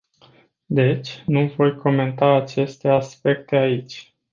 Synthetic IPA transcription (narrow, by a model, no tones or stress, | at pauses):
d̪e̞t͡ʃʲnuvo̞jkʰo̞me̞nt̪aːt͡ʃe̞st̪e̞aspe̞k̚t̪e̞ait͡ʃʲ